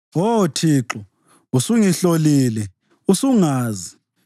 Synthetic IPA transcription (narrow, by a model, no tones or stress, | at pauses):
otʰiːǁɔ | usuŋiɬoliːlɛ | usuŋaːzi